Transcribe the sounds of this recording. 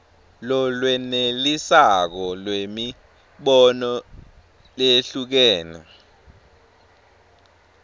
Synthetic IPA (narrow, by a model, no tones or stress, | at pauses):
lɔlwɛnelisak̬ɔlwemi | ɓɔnɔ | leɬuk̬ɛːnɛ̰